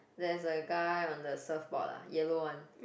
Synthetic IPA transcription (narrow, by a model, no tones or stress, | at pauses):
dɛsəɡaɪɔ̃ndəsəfbɔ̰lə̰jɛlowãn